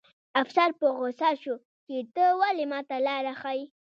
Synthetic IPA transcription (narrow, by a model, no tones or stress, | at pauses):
afsaɾpəɣosaʃo | t͡ʃet̪əwalemɑt̪alaɾaxaj